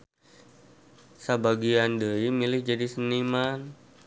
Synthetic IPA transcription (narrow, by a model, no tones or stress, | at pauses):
sabaɡiandəimilɪhd͡ʒadisəniman